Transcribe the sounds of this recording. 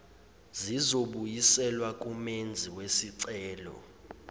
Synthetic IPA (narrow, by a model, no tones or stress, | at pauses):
zizoɓujisɛlwak̬ʼumend͡zʱiwesiǀɛːlɔ̰